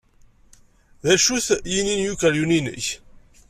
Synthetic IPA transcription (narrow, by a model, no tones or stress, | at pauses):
ðæʃuθjininjukæɾjuninə̰ç